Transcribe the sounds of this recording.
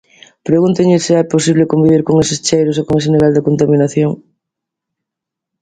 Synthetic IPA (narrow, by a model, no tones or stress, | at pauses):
pɾeɣunt̪eɲɪseɛposiβlɪkombiβ̞iɾkoŋesɪst͡ʃejɾosokoŋesɪniβɛld̪ɪkont̪aminaθjoŋ